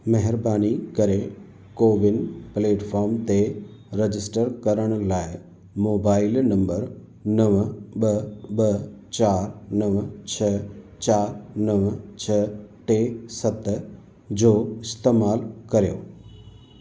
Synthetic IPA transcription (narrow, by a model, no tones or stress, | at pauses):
mɐɦɪɾbaːnikɐɾe | koːʋɪnpleːʈfʰɔːɾmt̪eɾed͡ʑɪsʈəɾkɐɾəɽ̃̆laːɪ | moːbaːɪlnɐ̃mbəɾ | nɐʋɓɐɓɐt͡ɕaːɾnɐʋt͡ɕʰɐt͡ɕaːɾnɐʋt͡ɕʰɐʈesɐt̪ | d͡ʑoːɪst̪eːmaːlkɐɾijo̰ː